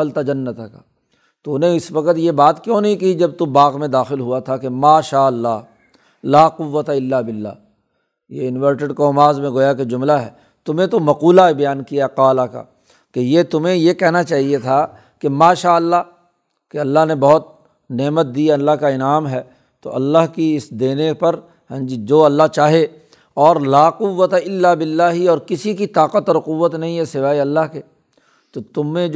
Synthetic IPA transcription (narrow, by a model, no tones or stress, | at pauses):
əlt̪ad͡ʒɐnːət̪aka | t̪onẽɪsʋɐkət̪jebaːt̪kjõːnɐɦĩkid͡ʒɐb̚t̪ubaːqmẽd̪aːxɪlɦuat̪ʰakemaːʃaːɐlːaːɦ | laːqʊʋːət̪aɪlːaːbɪlːa̰ː | jeɪnʋəɾʈeɖkɔːmaːzmẽɡoːjaked͡ʒʊmlaɦɛ̰ː | t̪ʊmẽt̪omɐquːlaebɐjaːnkijaqaːlaka̰ | kejet̪ʊm̤ẽjekɛɦnat͡ʃaːɦiet̪ʰa | kemaːʃaːəlːa | keɐlːaɦnebɐɦʊt̪̚ | neːmət̪̚d̪iɐlːaɦkaɪnaːmɦɛː | t̪o̰ʔɐ̰lːaɦkiɪsd̪eːnepɐɾ̃ | d͡ʒid͡ʒoːɐlːaɦt͡ʃaːɦe | ɔːɾlaːqʊʋːət̪aɪlːaːbɪlːaːɦiɔːɾkɪsikit̪aːqət̪ɔːɾqʊʋːət̪nɐɦĩɦɛsɪʋaːeɐlːaɦkeː | t̪ot̪ʊmẽ